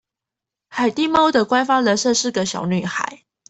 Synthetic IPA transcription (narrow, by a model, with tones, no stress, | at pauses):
xa˨˩ɪt̪i˥˩mɑ˥ʊd̪ə˨kwa˥nfa˥lə˨˦ʂɤ˥˧ʂɻ̩˥˩ɡə˩ɕjɑ̰˨˩ʊny˨˩xa̰˨˩˦ɪ